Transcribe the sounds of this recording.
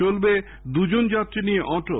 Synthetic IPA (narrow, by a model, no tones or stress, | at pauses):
olbe | d̪ud͡ʑond͡ʑat̪ːɾinieʔɔʈo